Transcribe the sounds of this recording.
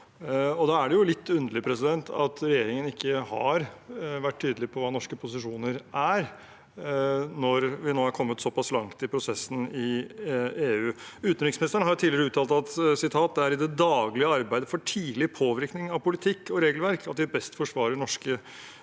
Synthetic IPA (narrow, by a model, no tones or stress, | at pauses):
ɔd̪ɑːæɖɛjʊlɪt̪ːʉnd̪əɭɪpʰɾɛsɪd̪ɛnt̪ʰɑ̰t̪ɾɛjeːɾɪŋənɪkːəhɑ̰ɾʋæʈːt̪ʰːyːd̪əlɪpʰɔʋɑːnɔʂkəpʰʊsɪʂuːnəɾʔæɾ | nɔɾʋɪnoːæɾkʰɔmːət̪sɔpɑslɑŋt̪ɪlpʰɾʊsɛsːn̩ɪ | eːʉːʉːt̪nɾɪksmɪnɪst̪əɳhɑɾʊt̪ʰiːlɪəɾəʉːt̪ʰɑːlt̪ɑt̪sɪt̪ʰɑːt̪̚d̪ɛæɾɪd̪ɛd̪ɑːɡlɪəɑɾbæɪd̪əfɔʈʰiːlɪpʰoːʋɪɾknɪŋɑʋpʊlɪt̪ʰɪkːɔɾeːɡəlʋæɾkʰɑt̪ʋɪbɛst̪fɔʂʋɑːɾəɳɔʂkə